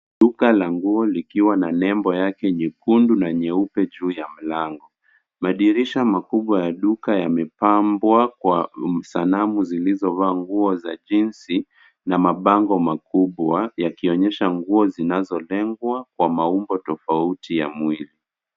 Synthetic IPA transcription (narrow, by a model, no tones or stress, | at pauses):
ɗukalaŋɡuɔlikiwananɛmbɔjakɛɲikundunaɲɛupɛʄuːjam̩laŋɡɔ | maɗiɾiʃamakuɓwajaɗukajamɛpambwakwasanamuzilizɔvaːŋɡuɔzaʄinsi | namaɓaŋɡɔmakuɓwajakiɔɲɛʃaŋɡuɔzinazɔlɛŋɡwakwamaumbɔtɔfautija̰mwili